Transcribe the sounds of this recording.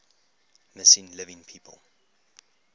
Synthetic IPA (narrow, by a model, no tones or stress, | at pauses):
məsĩnlɪvɪ̃ŋpʰiːpʰə̰lˠ